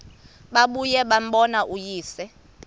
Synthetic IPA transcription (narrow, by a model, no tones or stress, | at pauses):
ɓaɓujɛɓam̩ɓɔnaʔujiːsɛ